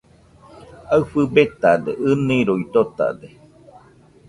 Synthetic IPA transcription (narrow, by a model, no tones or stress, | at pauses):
aɨfɨbet̪ad̪eʔɨnĩɾoit̪ot̪a̰d̪e